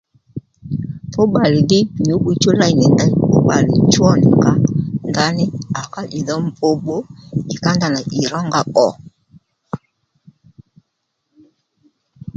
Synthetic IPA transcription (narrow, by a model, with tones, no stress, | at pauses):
po˦ɓa˨li˨di˦˨n˨o˨˦bu˨t͡ʃo˦la˦i˨nɛ˨nda˦i˦po˦ɓa˨li˨t͡ʃwɔ˦ni˨ŋɡa˦nda˦nɪ˦a˨ka˦ʔi˨ðɔ˦m˨bo˦bo˦ki˨ka˦nda˨na˨ʔi˨ɾɔ˦ŋɡa˦ʔɔ˨